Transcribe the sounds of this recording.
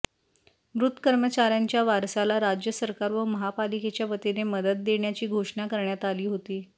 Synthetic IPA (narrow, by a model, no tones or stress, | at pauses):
mɾut̪ːkəɾmət͡ɕaɾjaɲt͡ɕjaʋaɾsalaɾad͡ʑjəsəɾkaɾʋəməɦapaliket͡ɕjaʋət̪eneməd̪ət̪̚d̪eɳjat͡ɕiːɡʱoʂɳakəɾɳjat̪aliːɦot̪iː